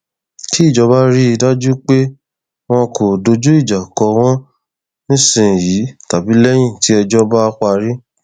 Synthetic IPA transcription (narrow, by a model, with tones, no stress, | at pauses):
ki˦i˦˨d͡ʒɔ˧ba˦ɾi˦i˧da˦d͡ʒu˦k͡pe˦ | w̃ɔ̃˧kʰo˨do˧d͡ʒu˦i˦˨d͡ʒa˨kɔ˧w̃ɔ̃˦ | nĩ˦sĩ˨ji˨˦ta˨bi˨˦lɛ˦j̃ĩ˦˨ti˨˦ɛ˧d͡ʒɔ˦ba˦ka˧ɾi˦